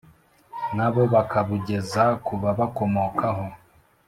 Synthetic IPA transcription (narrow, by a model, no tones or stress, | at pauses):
naβo̞βakaβuɟe̞zakuβaβako̞mokaɦo̞